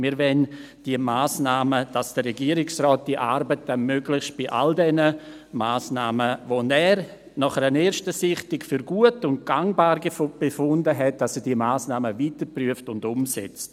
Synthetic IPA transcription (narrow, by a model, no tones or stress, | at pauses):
miːɾvɛn | d̥iəmaːsnaːməd̥asd̥əɾɛɡiəɾɪksrɔːt̚d̥iʔaɾbət̚dənmøɡlɪçʃt̚b̥ɪʔa̰ldɛnə | maːsnaːməvonɛːɾ | nɔχəɾəneːɾʃtəsɪχtɪkfyɾɡ̥uətʊnt̚ɡ̥aŋbaːɾɡefb̥efʊndəɦɛt̚d̥ɑsɛdiːəmaːsnaːməviːtəɾpryəftʊndʊmsɛ̰t͡st